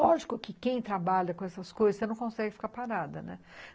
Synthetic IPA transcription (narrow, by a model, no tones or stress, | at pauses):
ɔʒikʊkɪkẽj̃t̪ɾabaʎɐkõɛsɐskojzɐsenɐ̃w̃kõsɛɡɪfi̥kaɾpaɾad̪ɐnɛ̰